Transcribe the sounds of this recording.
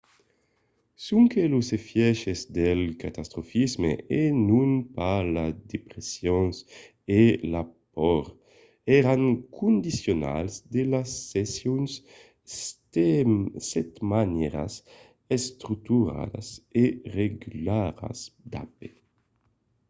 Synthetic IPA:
suŋkelusefjɛʃezd̪elkat̪ast̪ɾofizmḛenunpalad̪epɾesjons | elapɔɾ | ɛɾaŋkʰund̪isjona̰lzd̪elasːesjuns | sɛt̪manɛɾa̰s | est̪ɾuk̚t̪uɾa̰d̪a̰sereɡylaɾa̰sd̪a̰p̚e

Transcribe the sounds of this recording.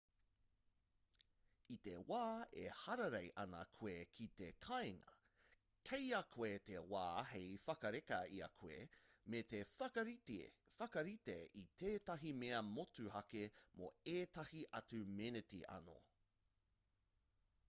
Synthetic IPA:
it̪ewaːehɐɾɐɾejʔɐnɐkʰoekʰit̪ekʰajŋɐ̰ | kʰejɐkʰoet̪ewa̰ːhejfɐkɐɾekɐiɐ̰kʰoḛmet̪e | fɐkɐɾit̪eitʰeːtɐɦimeɐmotuhɐkemo̰eːtɐhiʔɐt͡sʉmenetḭʔɐ̰no̰

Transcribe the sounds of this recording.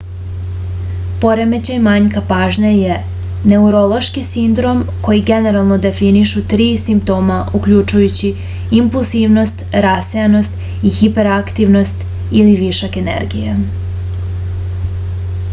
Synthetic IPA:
po̞ɾeme̞t͡ɕejmaɲkapaːʒneje | ne̞uɾo̞lˠo̞ʃkisind̪ɾo̞mko̞jiɡe̞ne̞ɾalˠno̞d̪e̞finiʃut̪ɾiːsimpt̪o̞ːmaʔuklʎut͡ʃujut͡ɕi | impulˠziʋno̞st̪ɾasejano̞st̪ | ixipe̞ɾakt̪iʋno̞st̪ | iliʋiʃake̞nḛɾɡija

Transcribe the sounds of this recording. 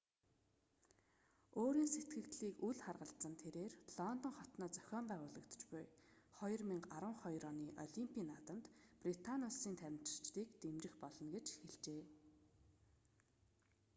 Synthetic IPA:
oːɾiːnset̪ɡɘ̆kt̪ɮiːkuɮχarʁə̆ɬt͡sə̆nt̪ʰeɾeːrɮ̥ɔnt̪ɞ̆ŋχɔt̪nɔːt͡sœ̥xʲɔːmpæːʁʊːɮə̆kt̪̆t͡ɕpʊ̰jχɔjɞ̆rmiŋɡaɾə̆ŋχɔjɾɔːniːʔɔ̰ɮimpʲiːnːat̪ə̆mt̪prit̪ʰanʲʊsiːnt̪ʰæwʲɪ̆m̥t͡ɕɪ̥̆r̥t͡ɕt̪iːkt̪emt͡ɕɪ̆xpɔɮɞ̆nɡet͡ɕxeɮt͡ɕeː

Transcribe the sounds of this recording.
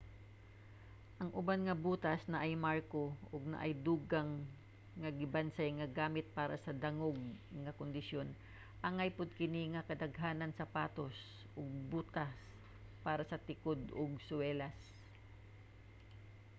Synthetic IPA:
ʔɐŋʔʊbanŋɐbuːt̪ɐsnɐʔɐjmaɹkoʔʊɡ̚nɐ̰ʔɐjd̪uːɡɐŋː | ɐɡɪbansajŋɐɡaːmɪt̪̚paːɾɐ̰sɐd̪ɐŋoɡ̚ | ŋɐkʊnd̪ɪsjo̞n | ʔɐŋajpʊd̪̚kɪniŋɐkɐd̪ɐɡɦaːnɐnsɐpaːt̪o̞s | ʔoɡ̚buːt̪ɐs | paːɾɐsɐt̪ɪkod̪oɡsʊwɛːlas

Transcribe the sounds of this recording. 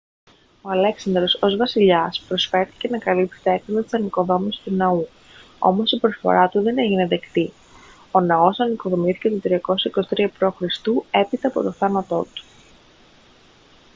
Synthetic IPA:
o̞ɐle̞ksɐnd̪ɾo̞so̞zvɐsiʎɐspɾo̞sfe̞ɾθi̥ce̞nɐkɐlipt̪e̥t̪eeksolɐt̪i̥sɐniko̞ðo̞misi̥st̪unɐu | o̞̰mo̞sipɾo̞sfo̞̰ɾɐt̪uðe̞ne̞ʝine̞ðe̞kt̪i | o̞nɐo̞sɐniko̞ðo̞miθi̥ce̞t̪ut̪ɾiɐko̞sɐikosi̥t̪ɾiɐpɾo̞xɾist̪ue̞pit̪eɐpo̞t̪o̞θɐnɐt̪o̞̰t̪u̥

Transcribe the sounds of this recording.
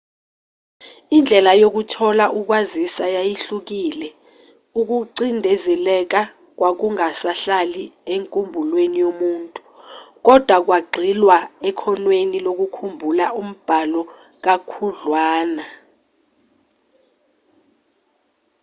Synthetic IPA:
ind͡ɮʱɛlajok̬utʰɔlaʔuk̬wazisajajiɬuk̬iːlɛ | uk̬uǀindʱɛzɛlɛk̬a | k̬wak̬uŋasaɬalieŋkʼumbʱulwenijomuːntʼu̥k̬ɔd̥ʱwak̬waɡ͡ǀʱilwaɛkʰɔnwenilok̬ukʰumbʱulaum̩b̥ʱalɔ | k̬akʰuɮwaːna

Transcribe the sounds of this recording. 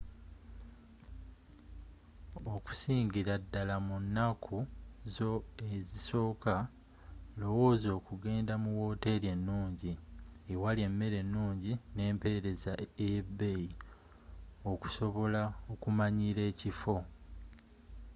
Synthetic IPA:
oku̥siːɲɟiɾadːalamunːakʰuzo̞e̞ziso̞ːka | lo̞wo̞ːzo̞ːkuɡe̞ːndamuwo̞ːte̞ɾe̞nːuːɲɟiewalie̞mːe̞ɾe̞nːuːɲɟine̞ːmpe̞ɾe̞zaejebːe̞ji | o̞ku̥so̞βo̞laokumaɲiɾe̞ːcifo̞

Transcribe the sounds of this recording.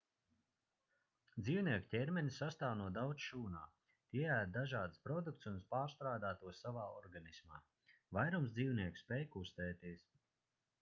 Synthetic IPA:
d̪ziːwniɛku̥cʲɛɾmʲɛnʲisːast̪aːwnuɔd̪awt̪sʃuːnaː | t̪iɛæːd̪̚d̪aʒaːd̪spɾɔd̪uk̚t̪sunspaːɾst̪ɾaːd̪aːt̪uɔsːavaːɔɾɡanisma̰ː | vajɾumsd̪iːwniɛksspʲɛjkust̪ɛːt̪iɛs

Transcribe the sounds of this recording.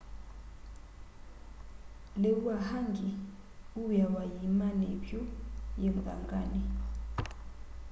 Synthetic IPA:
leuwahaŋɡʱi | ujawajimanepʰʼjɔjɛmbʱa̰ŋɡʼaːnɛ

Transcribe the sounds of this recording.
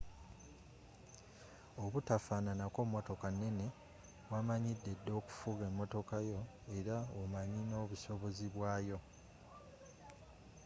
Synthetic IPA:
o̞βutafaːnanako̞ːmːo̞to̞kanːe̞ne̞ | βwamaɲidːe̞dːo̞ːku̥fuɣe̞ːmːo̞to̞kajo̞ | e̞ɾaomaɲino̞ːβuso̞βo̞ziβwaːjo̞

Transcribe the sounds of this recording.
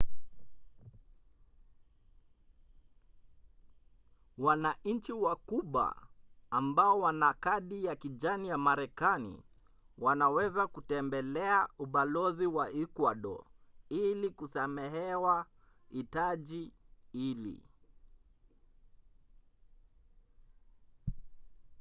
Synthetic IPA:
wanaɲ̩t͡ʃiwakuɓwa̰ː | mbaɔwanakaɗijakiʄanijamaɾɛkanḭ | wanawɛzakutɛmbɛlɛauɓalɔziwaikwaɗɔ̰ilikusamɛɦɛwa | itaʄiilḭ

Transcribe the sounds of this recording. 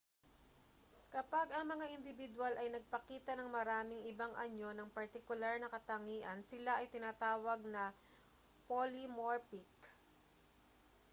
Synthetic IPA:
kɐpaɡɐŋmɐŋaʔɪnd̪ɪbɪd̪walʔɐjnɐɡ̚pɐkiːt̪ɐnɐŋmɐɾaːmɪŋɪbaŋʔɐ̰ɲo̞nɐŋpɐɹt̪ɪkʊlaɹnɐkɐt̪ɐŋiːʔɐnsɪlaʔɐjt̪ɪnaːt̪aːwɐɡ̚nɐ | polimoɹpɪk

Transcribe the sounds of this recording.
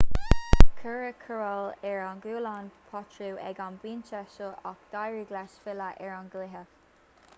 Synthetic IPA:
kʰəɹəkʰəɹɔlɛɹanɡuːlanpʰɔt͡ʃɹuːʔɛ̰ɡanbiːnt͡ʃɛʃəʔakd̪̥ajɹiɡlɛʃfɪləʔɛɹanɡlɪɦək

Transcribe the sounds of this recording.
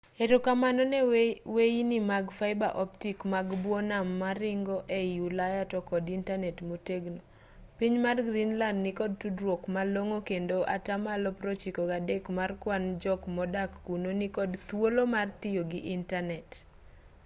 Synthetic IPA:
eɾokamanɔnɛweinimaɡfaɪba̰ʔɔptikmaɡbwɔnamːaɾɪŋɡɔʔejulajatɔkɔdintanɛtmoteɡno | piɲmarɡɾinlandnikɔd̚tudɾwokmaloŋokendoʔa̰tamalɔpɾɔt͡ʃikɔɡadekmarkwand͡ʒɔkmɔdakːunonikɔdt̪wolomartɪjoɡɪʔintanɛt

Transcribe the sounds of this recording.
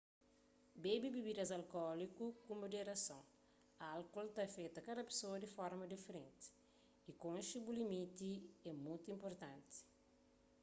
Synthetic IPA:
bebibibid̪ɐzɐlkɔlikukũmod̪eɾɐsõ | ɐalkɔlt̪afet̪ɐkad̪ɐpe̥soɐd̪ifɔɾmɐd̪ifeɾẽnt̪i̥ | ikõnʃibulimit̪iɛmũjt̪uĩmpoɾt̪ãnt̪i̥

